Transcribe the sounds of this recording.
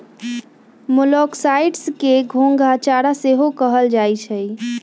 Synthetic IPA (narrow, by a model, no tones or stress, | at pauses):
molɔksaiʈskeɡʱoŋɡʱat͡ʃaɾaseɦokəɦəld͡ʒajt͡ʃʰəj